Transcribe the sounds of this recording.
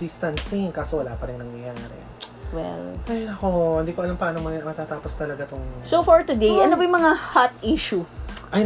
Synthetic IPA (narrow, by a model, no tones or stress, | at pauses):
d̪ɪst̪ɐnsɪŋkaːsowɐlaːpɐɾɪŋnɐŋjɐjaːɾɛ̰ | wɛ̰lʔɐjɐkoʔhɪnd̪iːkoʔɐlampɐaːnomɐmɐt̪at̪aːpost̪ɐlɐɡat̪oŋsofoɹt̪ʊd̪ejʔɐnobɐjʊ̃mɐŋahat̪iʃuʔɐ